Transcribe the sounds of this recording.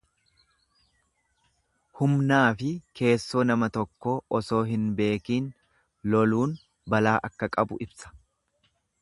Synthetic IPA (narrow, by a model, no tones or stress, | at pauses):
hʊmnaːfɪke̞ːsːo̞ːnɐmɐt̪ɔkːoːʔɔso̞ːɦɪnbe̞ːkiːn | lɔluːn | bɐlaːʔɐkːɐkʼɐbʊ̰ʔɪbsɐ̥